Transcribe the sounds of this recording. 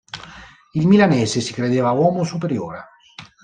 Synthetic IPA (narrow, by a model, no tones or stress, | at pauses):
ilmilanɛːsesikɾed̪eːvawɔːmosup̬eɾjo̰ːɾa